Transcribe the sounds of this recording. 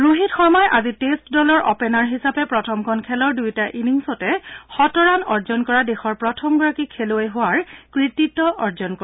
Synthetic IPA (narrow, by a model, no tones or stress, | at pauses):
ɹuɦitxɔɹmɔjʔazitestdɔlɔɹʔɔ̰pɛnaɹɦisapɛpɹɔtʰɔmkʰɔnkʰɛlɔɹdujtaʔiniŋsɔtɛxɔtɔɹanɔɹzɔnkɔɹadexɔɹpɹɔtʰɔmɡɔɹakikʰeloɛjɦʊwaɹkɹititɔʔɔɹzɔnkɔ